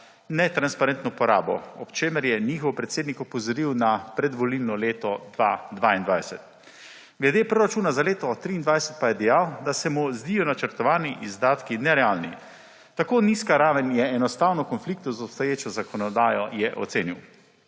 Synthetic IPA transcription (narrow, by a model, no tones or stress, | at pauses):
nɛt̪ɾanspaɾɛnt̪nɔpɔɾa̰ːbɔ̰ɔpt͡ʃeːməɾjɛnixɔwpɾɛt̪seːd̪nikɔpɔzɔɾiwnapɾɛd̪ʋɔlilnɔleːt̪ɔd̪ʋad̪ʋaind̪ʋajsɛt̪ | ɡlɛd̪epɾɔɾat͡ʃuːnazaleːt̪ɔt̪ɾiːnd̪ʋajsɛ̥t̪̚pajɛd̪ɛjaːwd̪asɛmuzd̪iːjɔnat͡ʃəɾt̪ɔʋaːniʔizd̪aːt̪kinɛɾɛaːlnḭ | t̪akoːniskaɾaːʋənjɛɛnɔst̪aːwnɔkɔnflik̚t̪ɔzɔpst̪ɔjeːt͡ʃɔzakɔnɔd̪aːjɔjɛʔɔ̰t̪seːniw